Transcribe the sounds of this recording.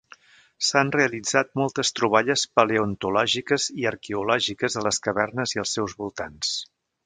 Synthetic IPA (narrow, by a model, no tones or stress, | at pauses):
sanreəlid͡zat̪̚mɔlˠt̪əst̪ɾuβ̞aʎəspəleont̪ulɔʒikəziəɾkeulɔʒikəzðələskəβɛrnəziəlˠsːɛwzβulˠt̪ans